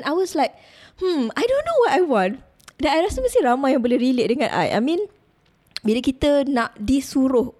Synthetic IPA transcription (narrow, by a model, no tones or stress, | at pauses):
najwɔslajk̚ | hm̩ajdõnːowɔtajwɔ̃n | danajɾasəməsiɾamajãŋbolɛhɾilɪʔ̚dəŋãnʔa̰jʔa̰mĩn | biləkit̪ənãʔdisuɾʊh